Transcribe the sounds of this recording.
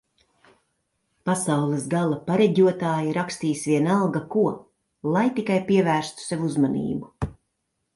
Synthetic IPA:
pasawlˠɨsɡalˠapaɾɛɟuɔt̪aːjiɾakst̪iːsvʲiɛnalˠɡakuɔ | lˠajt̪ikajpiɛvæːɾst̪u̥sevuzmanḭːbu

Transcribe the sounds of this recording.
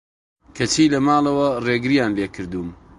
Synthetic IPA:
kʰɐt͡ʃʰiːlɐmaːlˠɐwɐreːɡɨɾijaːnleːkʰɨɾd̪uːm

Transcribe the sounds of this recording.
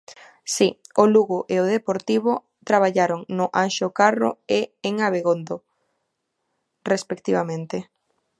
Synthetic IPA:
sioluɣoʔeoðepoɾt̪iβʊ | t̪ɾaβ̞aʎaɾoŋnʊʔanʃokaro̰eeŋaβ̞eɣond̪o | respekt̪iβamẽnt̪e

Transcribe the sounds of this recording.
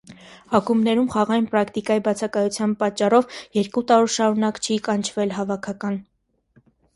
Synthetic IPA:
ɑkumnɛɾumχɑʁɑjnpɾɑkʰt̪ikɑjibɑt͡sʰɑkɑjut͡sʰjɑnpɑt͡ʃːɑrɔvjɛɾkut̪ɑɾɔɾʃɑɾunɑkt͡ʃʰikɑnt͡ʃʰvɛlɦɑvɑkʰɑkɑn

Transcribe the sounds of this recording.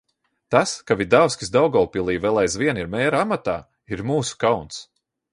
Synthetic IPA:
t̪askavid̪awskʲi̥sd̪awɡɔwpʲilˠiːvɛlˠajzvʲiɛniɾmɛːɾamat̪aː | iɾmuːsu̥kawns

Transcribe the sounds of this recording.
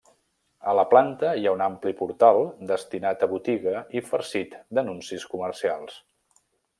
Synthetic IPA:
ələplant̪əiaunamplipuɾt̪alˠd̪əst̪inat̪əβut̪iɣəifəɾsit̪d̪ənunsiskumərsialˠs

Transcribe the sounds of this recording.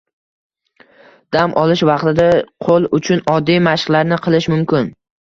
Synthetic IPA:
d̪̥amʔɒlˠɪʃvɑqt̪ɪd̪aqʰolˠʊt͡ʃʰʊnɒd̪ːijmaʃqlˠaɾnɪqʰɨlˠɪʃmʊmkʲɪn

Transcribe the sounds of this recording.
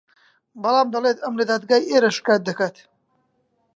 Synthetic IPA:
bɐlaːmd̪ɐleːt̪ɐmled̪aːd̪̚ɡaːjʔeːɾɐʃkaːt̪̚d̪ɐkaːt̪

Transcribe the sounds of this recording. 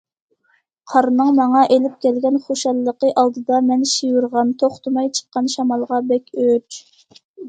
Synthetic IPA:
qʰɑɾnɨŋmɑŋɑʔelɪp̚kʲɛlɡʲɛnχoʃɑlˠːəqəʔɑlˠd̪ɨd̪ɑmɛnʃijuɾʁɑnt̪ʰoχt̪umɑjt͡ʃʰə̥qːɑnʃɑmɑlˠʁɑbɛkʲøt͡ʃ

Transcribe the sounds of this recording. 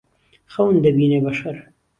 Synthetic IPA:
xawnd̪əbinebaʃaɾ

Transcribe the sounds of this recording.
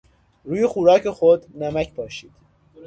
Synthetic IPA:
ɾuːjexuːɾɒːcʰexod̪næmæcʰbɒːʃiːd̪̥

